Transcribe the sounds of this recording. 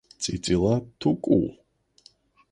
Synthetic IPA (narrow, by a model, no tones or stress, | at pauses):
t͡sʼit͡sʼilat̪ʰukʼṵː